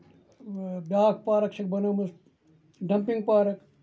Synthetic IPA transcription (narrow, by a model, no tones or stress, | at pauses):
baːkpaːɾɐksʰik̚bɐnoːmɐs | ɖɐmpiŋɡ̚paːɾɐk